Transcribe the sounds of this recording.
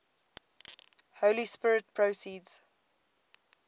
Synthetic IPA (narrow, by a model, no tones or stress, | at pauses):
holispɪɹɪt̚pʰɹosiːdz̥